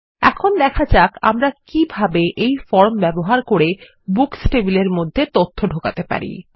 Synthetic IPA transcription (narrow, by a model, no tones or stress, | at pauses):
ɛ̰kʰond̪ɛkʰad͡ʑaka̰mɾakibʱabeʔejfɔɾmbɛboɦaɾkoɾe | buksʈebileɾmod̪ʱːet̪ot̪ʰːoɖʱokat̪epa̰ɾḭ